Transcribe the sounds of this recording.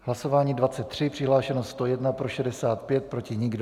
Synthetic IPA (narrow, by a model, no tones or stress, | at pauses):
ɦlaso̞vaːɲiːdvat͡sɛt̪ːr̝̥ɪpr̥ɪɦlaːʃɛnost̪st̪o̞jɛdnapɾo̞ʃɛdɛsaːt̪pjɛt̪̚pɾo̞cɪɲɪɡd